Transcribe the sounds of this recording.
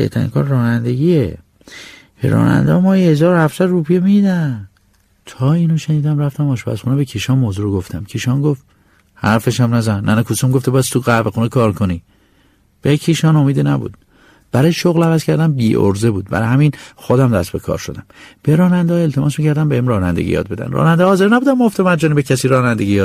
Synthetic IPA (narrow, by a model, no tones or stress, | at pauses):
ḛht̪ʰæ̰ɾḭnkʰɒ̰ːɾɾɒːnænd̪e̞ɟie | bḛɾɒ̰ːnæ̰nd̪ehmɒːhehezɒːɾohæfsæd̪ruːpʰijemiiːd̪æ | t̪ʰɒːiːnoʃeniːd̪æmræft̪æmɒːʃbæ̰sxuːnebecʰiʃɒnmoːzuɾoɡoft̪ʰæmcʰiʃɒːnɡof | hæɾfeʃæmnæzænnænekʰusomɡoft̪ebɒːjæst̪ʰuɣævexuːnekʰɒːɾkʰoni | b̥ecʰiʃɒːnomiːd̪enæbṵːd̪̥ | b̥æɾɒːjeʃoɣlævæzcʰæɾd̪æmbiːʔo̰ɾzebuːd̪̚bæ̰ɾhæminxod̪æmd̪æst̪be̞̰kʰɒ̰ːɾʃo̞̰d̪æmb̥e̞ɾɒːnænd̪eɒelt̪ʰemɒːsmiːcʰæɾd̪æmbehimɾɒːnæ̰nd̪eɡḭjɒ̰ːd̪be̞d̪æ̰nrɒ̰ːnænd̪ehːze̞ɾnæbuːd̪æmooft̪emæɾd͡ʒɒːnibecʰæsiːɾɒːnænd̪eɡijɒːd̪